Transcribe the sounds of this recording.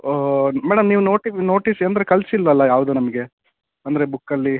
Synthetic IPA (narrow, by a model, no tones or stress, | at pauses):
mæːɽɐmniːʋuno̞ːʈino̞ːʈisɐnd̪ɾekɐlsilːʋɐlːɐjaːʋud̪unɐmɐɡe̞ | ɐnd̪ɐɾe̞bukːɐlːi